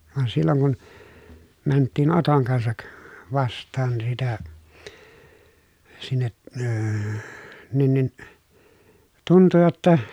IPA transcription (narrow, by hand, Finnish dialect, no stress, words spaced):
ʋɑn silːoŋ kun mæntːiːn otoŋ kɑnsɑk ʋɑstˑɑːn sitæ sinːe əː nin nin tuntu jotːɑ